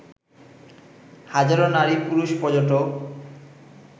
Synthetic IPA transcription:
had͡ʑaɾonaɾipuɾuʃpɔd͡ʑoʈo

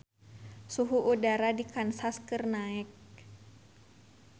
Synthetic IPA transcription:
suɦuʔudaɾadikansaskɨrnaɛk̚

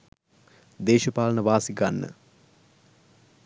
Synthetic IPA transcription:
d̪eːʃəpaːlənəʋaːsiɡanːə̰

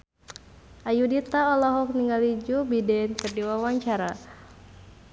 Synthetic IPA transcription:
ʔajudit̪aɔlɔɦɔk̚niŋɡalid͡ʒubidɛnkərdiwawaɲt͡ʃaɾa

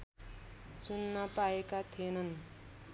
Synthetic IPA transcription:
sunːʌpaekat̪ʰenʌn

